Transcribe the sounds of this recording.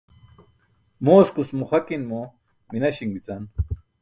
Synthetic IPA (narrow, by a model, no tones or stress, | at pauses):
moːskusmuχɐkinmo | minɐɕiŋbit͡san